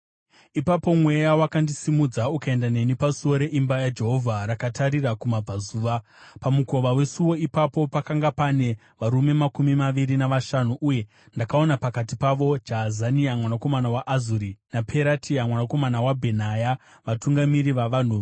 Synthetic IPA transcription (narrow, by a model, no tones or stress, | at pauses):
ipapo̞mwe̞jawakandisimud͡zaukae̞ndane̞nipasuwo̞ɾe̞ʔimbajad͡ʒe̞ɦo̞vʱaɾakataɾirakumab͡vazuːʋapamuko̞ʋawe̞suwo̞ipapo̞pakaŋɡapane̞ | ʋaɾume̞makumimaʋiɾinaʋaʃanuʔuje̞ | ndakao̞napakatipaʋo̞d͡ʒazaniamwanako̞manawaʔazuɾinapʰe̞ɾatʰiamwanako̞manawabʱe̞naja | ʋatuŋɡamiɾiʋaʋan̤uʋ